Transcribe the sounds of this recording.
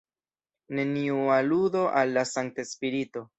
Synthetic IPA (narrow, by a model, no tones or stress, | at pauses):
ne̞niualudo̞ʔalːasaŋk̚tespiɾito̞